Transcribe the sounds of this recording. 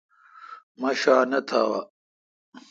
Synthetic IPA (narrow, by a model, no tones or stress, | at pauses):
mɐɕaːnɐt̪ʰaːwɐ